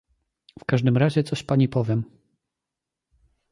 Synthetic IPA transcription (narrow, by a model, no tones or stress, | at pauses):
fkaʐd̪ɘmɾaʑɛt̪sɔɕpaɲipɔvʲjɛm